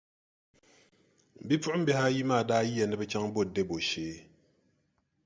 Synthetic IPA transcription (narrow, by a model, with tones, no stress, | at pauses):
m̩˨bi˦p͡fu˦ʔm̩˦be˨˦ha˦ji˦maː˦˨daː˦ji˦a˨nɛ˦be˦t͡ʃa˦ŋ˦bo˦˨de˦˨bo˨ʃeː˦